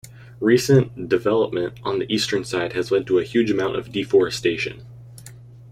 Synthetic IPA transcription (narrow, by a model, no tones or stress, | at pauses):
ɹisɨ̃nd̥ɨvɛlˠəp̚mɨ̃ntn̩ðiʔistə̃˞nsaɪd̚ɨzlɛd̚tʰəːhjʉd͡ʒɨmãʊ̃ntʌ̰vdifɔɹɨsteɪʃɨ̰̃n